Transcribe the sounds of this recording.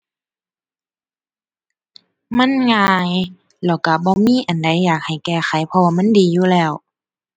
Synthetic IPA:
ma˧˥˨nŋaː˧˩j | lɛ˧˩wka˧˩bɔː˧˦miː˧˥˨ʔa˨nda˧˩˦jːaː˨˩k̚ha˨˩jkɛː˧˩xa˨˦jpʰɔ˧waː˧˨ma˧˥˨ndiː˨˦juː˧˨lɛː˧˩˨w

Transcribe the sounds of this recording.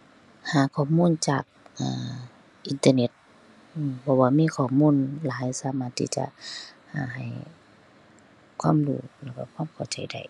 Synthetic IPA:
haː˨˦kʰɔː˧˩muː˧˥˨nt͡ɕa̰ː˨˩k̚ʔaː˨˩ | ʔi˧˦nt̪əː˧ne˧˦t̪̚ | ʔːbʰɔ˧˩waː˧miː˧˥˨kʰɔː˧˩muː˧˥˨nlaː˨˦jsaː˨˦maː˧˩t̪ʰːḭ˧˩t͡ɕa̰˧˦ʔhaː˧˩ɦa˨˩j | kʰwaː˧˥˨mlṵː˧˩lɛ˧˩kɔː˧˩kʰwaː˧˥˨mkʰa˨˧˩t͡ɕa˨˩˦jda̰˧˩j

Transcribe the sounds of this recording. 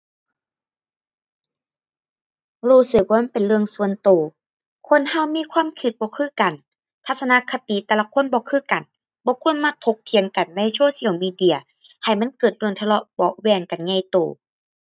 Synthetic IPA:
huː˧˩sɯ˧˩k̚waː˧ma˧˥˨pe˨nlɯ˧əŋsu˧˨ənt̪oː˨˩ | kʰo˧˥˨nha˧˥˨wmiː˧˥˨kʰwaː˧˥˨mkʰɯ˧t̪̚bɔː˧˦kʰɯː˧˥˨ka˨˩n | t̪ʰa˧t̪̚sa˧na˧˨kʰa˧t̪i˨t̪ɛː˧la˧˨kʰo˧˥˨nbɔː˧˦kʰɯː˧˥˨ka˨˩n | bɔː˧˦kʰu˧˥ə˨nma˧˨t̪ʰo˧˦k̚t̪ʰi˧əŋka˨˩nna˧˥˨jsoː˧˦si˧˨ə˨wmiː˧˨di˧˩ɐ | ha˨˩jma˧˥˨nkɤː˨˩t̪̚lɯ˧˩əŋt̪ʰa˧lɔ˧˦ʔbɔ˧˦ʔwɛː˧˩ŋka˨nɲa˧˩jt̪oː˨˩

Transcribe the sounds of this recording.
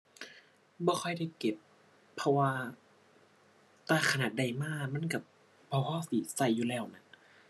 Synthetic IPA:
bɔː˧˩xʰɔ˧˥˩jda˧˩jke˨˩pʰː | ɔ˧waː˧ | t̪aː˧˩kʰa˧naː˨˩t̪̚da˧˩jmaː˧˥˩ma˧˥˨nka˧˩ | bɔː˧˩kʰɔː˧˥˩si˨˦sa˧˩jːuː˨lɛː˧˩˨wna˧˩

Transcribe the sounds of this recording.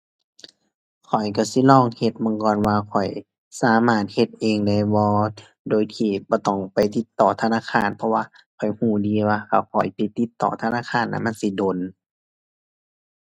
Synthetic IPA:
kʰɔ˨˩jka˧˩si˧˦lɔː˧˨ŋhe˧t̪̚mɯ˧˨ŋkɔː˧˨nwaː˧kʰɔ˨˩j | saː˨˦maː˧˩t̪̚he˧t̪̚ʔeː˧ŋda˧˩jbɔː˧ | doː˧˨jk̪ʰiː˧˩bɔː˧˦t̪ɔ˧˩ŋpa˨jt̪i˧˦t̪ːɔː˨˩t̪ʰaː˧˨naː˧˨kʰaː˧˥˨npʰɔ˧waː˧ | kʰɔ˨˩jhuː˧˩diː˨˧˦waː˧ka˧˩kʰɔ˨˩jpi˧t̪ːi˧˦t̪ːɔ̰ː˧˨t̪ʰaː˧naː˧˥˨kʰaː˧˥˨nʔa̰˧˨ma˧˥˨nsi˧˦doː˨n

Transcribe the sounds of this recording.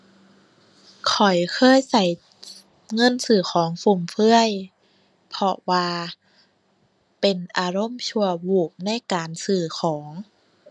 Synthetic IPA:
kʰɔ˨˩jkʰɤː˧˥˨jsa˧˩j | ŋɤ˧˥˨nsɯː˨˩xʰɔː˨˩˦ŋfu˧˩mfʰɯ˧˥əj | pʰɔ˧waː˧ | pe˨˩nʔaː˧ɾo˧˥˨mt͡ɕʰu˧ɐwuː˧˩p̚na˧˥˨jkaː˨nsɯː˧˩xʰɔː˩˦ŋ

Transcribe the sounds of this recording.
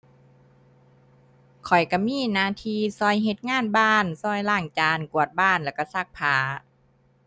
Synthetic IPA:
kʰɔ˨˩jka˧˩miː˧˥˨naː˧t̪ʰiː˧sɔː˧˩jɦe˧˦t̪̚ŋaː˧˥˨nbaː˧˥˩nsɔː˧˩jlaː˧˩ŋt͡ɕaː˧nku˨˩ət̪̚baː˧˥˩nlɛː˧˩ka˧˩sa˧˩k̚pʰaː˨˦

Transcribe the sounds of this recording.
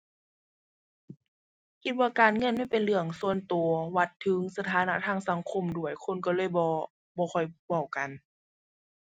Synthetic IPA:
kʰi˧t̪̚waː˧kaː˨nŋɤ˧˥˨nma˦˥˨pe˨nlɯ˧˩əŋsu˧ənt̪u˨˩ɐwa˧t̪ʰːɯ˨˦ŋsa˧t̪ʰaː˨˦na˧˨t̪ʰaː˧˨ŋsa˨˦ŋkʰo˧˥˨mdu˧˩əjkʰo˧˥˨nkɔː˧˩lɤː˧˥˨jbɔː˧ | bɔː˧xʰɔ˧˩jwa˧˩wka˨n

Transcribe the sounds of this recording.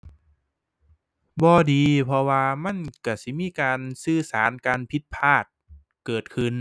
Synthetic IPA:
bɔː˧diː˨˧pʰɔ˧waː˧ma˧˥˨nka˧˩si˧˦miː˧˥˨kaː˨˧nsɯː˧saː˩˦nkaː˨˧npʰi˧˥t̪̚pʰaː˧˥˩t̪̚ | kɤː˨˩t̪̚kʰɯ˧˨n

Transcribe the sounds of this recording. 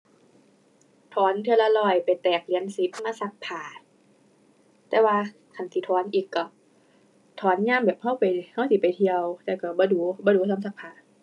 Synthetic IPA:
t̪ʰɔː˨˦nt̪ʰɯ˧˨la˧lɔː˧˩jpa˨jt̪ɛː˨˩k̚li˨˦ənsi˧˦p̚maː˧˨sa˧˦k̚pʰaː˨˩ | t̪ɛː˧˩waː˧ | kʰa˧˩nsi˧t̪ʰɔː˨˦nʔiː˨˩kːɔ˧˩ | t̪ʰɔː˨˦nɲaː˧˥˨mbɛː˨˩p̚ha˧˥˨wpa˨jha˧˥˩wsi˧˦pa˨jt̪ʰi˧əwt̪ɛː˧˩wka˧˩bɔː˧˦duː˨˦bɔː˧˦duː˨˦t̪ʰɔː˧˦nsa˧k̚pʰaː˨˩

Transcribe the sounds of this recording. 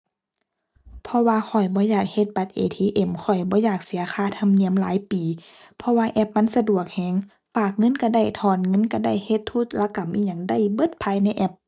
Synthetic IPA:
pʰɔ˧waː˧xʰɔ˨˩jbɔː˧˦jaː˨˩k̚he˧t̪̚ba˧˦t̪̚ʔeː˨t̪ʰiː˧ʔe˧˩mkʰɔ˨˩jbɔː˧˦jaː˨˩k̚si˨˦ɐxʰaː˧˥˨t̪ʰa˧˥˨mni˧˨əmlaː˨˦jpiː˨˩ | pʰɔ˧waː˧ʔɛ˧˩p̚ma˧˥˨nsa˧du˨˩ək̚hɛː˧˩ŋ | paː˨˩k̚ŋɤ˧˥˨nka˧˩da˧˩˨jt̪ʰɔː˧˩nŋɤ˧˥˨nka˧˩da˧˩˨jhe˧˦t̪ʰːu˧˥˩t̪̚la˧ka˨˩mʔiː˧˩ɲa˧˩ŋda˧˩˨jbɤ˧˥t̪̚pʰaː˧jna˧˥jʔɛ˧˩p̚

